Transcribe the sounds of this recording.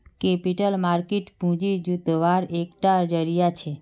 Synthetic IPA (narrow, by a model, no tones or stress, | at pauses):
kepiʈəlmaɾkeʈpũd͡ʒid͡ʒut̪ʋaɾekʈad͡ʒəɾijat͡ʃʰe